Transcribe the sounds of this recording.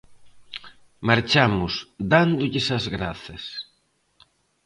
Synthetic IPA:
maɾt͡ʃamʊsd̪and̪ʊʎɪsɐzɣɾaθɐs

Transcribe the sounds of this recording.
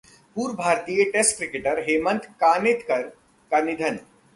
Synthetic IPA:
puːɾbʱaːɾt̪ijəʈesʈkɾɪkeʈəɾɦeːmə̃nt̪kaːnɪt̪kɐɾ | kanɪd̪ʱən

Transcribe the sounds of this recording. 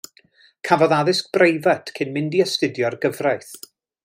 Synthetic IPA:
kʰavɔðaðɪsk̚b̥rejvatʰkʰɪnmɪndiəstɪdjɔrɡəvrajθ

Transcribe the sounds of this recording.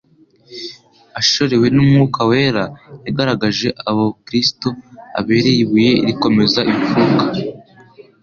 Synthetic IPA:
aʃo̞ɾe̞we̞numŋuːkawe̞ːɾajaɡaɾaɡaʒe̞ʔaβo̞kɾisto̞a̰βe̞ɾejiβuje̞iɾiko̞me̞zaʔiɱfukḁ

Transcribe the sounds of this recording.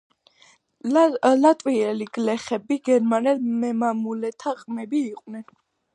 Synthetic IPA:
lat̪ʼwiɛliɡ̥lɛχɛbiɡɛɾmanɛlmɛmamulɛt̪ʰaqʼmɛbiːqʼwnɛn

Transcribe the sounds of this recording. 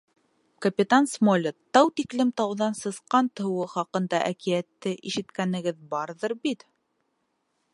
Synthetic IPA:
kɐpʲit̪ansmolʲɤt̪ɑwt̪iklɘmt̪ɑwðɑnsɤ̆sqɑnt̪ɤ̆wɤχɑqɤ̆nd̪ɑʔækijæt̪ːɘʔiʃɘ̆t̪kænɘ̆ɡɘðbɑɾðɤɾbit̪

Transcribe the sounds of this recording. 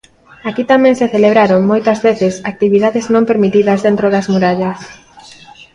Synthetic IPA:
akit̪amɛ̃ŋseθeleβ̞ɾaɾoŋmojt̪ɐzβeθɪsak̚t̪iβiðaðɪznõmpeɾmit̪iðɐzðent̪ɾoðɐzmuɾaʎɐs

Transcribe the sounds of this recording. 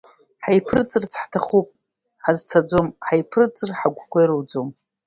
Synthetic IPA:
ħajpʰrɨt͡sʼɨrt͡sʰħtʰaχupʼ | ħazt͡sʰad͡zomħajpʰrɨt͡sʼɨrħaɡʷkʷʰejɾowd͡zom

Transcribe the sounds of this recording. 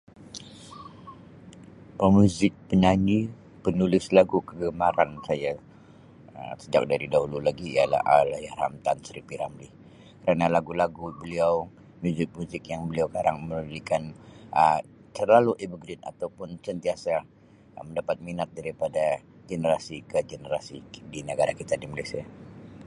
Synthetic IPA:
pəmjuzɪk̚pəɲaɲi | pənulɪslaɡukəɡəmaɾansaja | ə̰səd͡ʒa̰k̚daɾidaɦululaɡiḭja̰la̰halajaɾa̰mt̪ansɾipiɾamlɪh | kəɾanalaɡulaɡubəliaw | muzɪk̚muzɪk̚jaŋbəliawkaɾaŋmənəɾikanət̪ərlaluʔebuɡɾɪt̪a̰t̪awpʊnsənt̪iasa | məndapat̪̚minat̪̚daɾipada | ɡənəɾasikəɡənəɾasidinəɡaɾakit̪adimalajsia

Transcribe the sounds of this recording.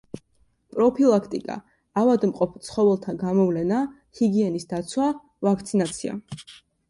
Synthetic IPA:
pʼɾɔpʰilˠakʰt̪ʼḭkʼa̰ː | vad̪mqʼɔpʰt̪sʰχɔvɛlˠt̪ʰaɡamɔvlɛna | hiɡiɛnisd̪at̪sʰwa | vakʰt̪sʰinat̪sʰia̰

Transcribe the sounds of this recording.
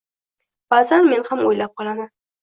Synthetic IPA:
b̥azanme̞nhamojlap̚qʰɒlˠaman

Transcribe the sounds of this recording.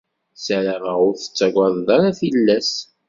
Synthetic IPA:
sæɾaməʁʊɾθə̥t͡sːæɡʷaðˤðaɾaθilːæs

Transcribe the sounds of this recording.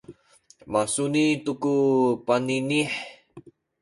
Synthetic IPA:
masunit̪ukupaniniħ

